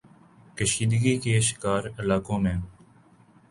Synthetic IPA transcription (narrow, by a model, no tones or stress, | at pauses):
kəʃiːd̪ɡiːkeːʃɪ̥kaːɾəlaːkõːmẽː